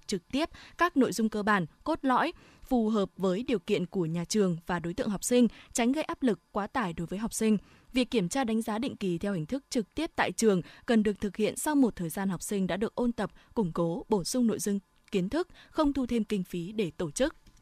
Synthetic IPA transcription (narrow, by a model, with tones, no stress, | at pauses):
t͡ɕɨ˨˩k̚t̪i˦˥əp̚kaː˦˥k̚no̰˧˨jzʊ˧ŋ͡mkəː˧ɓaː˧˩nko˦˥t̚lɔ̰˧˥j | fu˨˩ɦəː˨˩p̚vəː˨˦jɗi˨˩əwkḭ˧˨ənku˧˩əɲaː˨˩t͡ɕɨ˨˩əŋvaː˨˩ɗo˨˦jt̪ɨ̰˧˨ŋɦa˨˩wk͡p̚sï˧ŋ̟t͡ɕa˨˦jŋ̟ɣə˧jʔaː˦˥p̚lɨ˨˩kːwaː˨˦t̪aː˧˩jɗo˨˦jvəː˨˦jɦa˨˩wk͡p̚sï˧ŋ̟ | vi˨˩əkːi˧˩əmt͡ɕaː˧ɗa˨˦ŋ̟zaː˨˦ɗḭ˧˨ŋ̟ki˨˩t̪ʰɛ˧whi˨˩ŋ̟t̪ʰɨ˦˥k̚t͡ɕɨ˨˩k̚t̪i˦˥əp̚t̪a̰ː˧˨jt͡ɕɨ˨˩əŋkə˨˩nɗɨ˨˩ək̚t̪ʰɨ˨˩k̚hḭ˧˨ənsa˧wmo˨˩t̚t̪ʰəː˨˩jzaː˧nɦa˨˩wk͡p̚sï˧ŋ̟ɗa̰ː˧˥ɗɨ˨˩ək̚ʔo˧nt̪ə˨˩p̚kʊ˧˩ŋ͡mko˨˦ɓo˧˩sʊ˧ŋ͡mno̰˧˨jzʊ˧ŋ͡m | ki˨˦ənt̪ʰɨ˦˥k̚xə˧wŋ͡mt̪ʰu˧t̪ʰe˧mkï˧ŋ̟fi˨˦ɗe˧˩t̪o˧˩t͡ɕɨ˦˥k̚